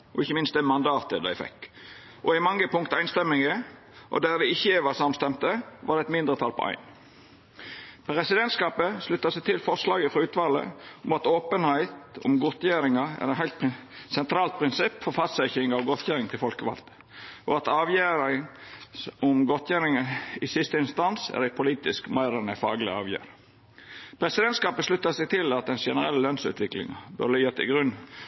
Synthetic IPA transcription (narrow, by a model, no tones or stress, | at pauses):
ʔɔɪçːəmɪnst̪̚d̪ɛmɑnd̪ɑːt̪ə̰d̪æ̰ɪfɛ̰kː | ʔɔɪmɑŋːəpʰʊŋkt̪æɪnst̪ɛmːɪŋə | ʔɔ̰d̪æd̪ɛɪçːəʋɑsɑmst̪ɛmt̪əʋɑ̰d̪ɛɛt̪mɪnd̪ʁət̪ʰɑlpʰɔ̰æ̰ɪn | pʁɛsɪd̪ɛnt̪skɑːpəslʉt̪ːɑsæɪt̪ʰɪlfɔʁʂlɑːɡəfɾɑʉːt̪ʋɑlə̰ɔmɑt̪oːpənhæɪt̪ʊ̰mɡɔt̪jæːɾɪŋɑæ̰ɾɛt̪hæɪlt̪psɛnt̪ʰɾɑːlt̪̚pʰɾɪnsɪpːfɔɾfɑst̪sɛçɪŋɑʋɡɔt̪ʰjæːɾɪŋt̪ʰɪlfɔlkəʋɑ̰lt̪ə̥ | ʔɔ̰ɑt̪ɑːʋjæːɾɪŋ | ʊmɡɔt̪ʰjæːɾɪŋɑɪsɪst̪əɪnst̪ɑnsæ̰ɾæɪɡ̚pʰʊliːt̪ɪskmæɪɾɛnəfɑ̰ːɡlɪɑ̰ːʋjæ̰ːɾ | pʰɾɛsɪd̪ɛnt̪skɑːpəslʉt̪ːɑsɛɡ̚t̪ʰɪlɑt̪̚d̪ɛnsʃɛnəɾɛlːəlœnsʉ̰ːt̪ʰʋɪklɪ̰ŋɑ̰bœ̰ɾlɪjət̪ʰːɪ̰ɡɾʉnː